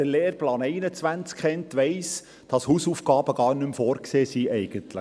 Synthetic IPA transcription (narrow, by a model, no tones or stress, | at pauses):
əleːɾplɑːnɛɪnət͡sʋænt͡skχɛntʋɛɪs | d̥ɑshuːsuːfɡ̥ɑːbəɡ̥ɑːɾnʏmfoːɾkseːsiʔɛɪɡ̥əntlə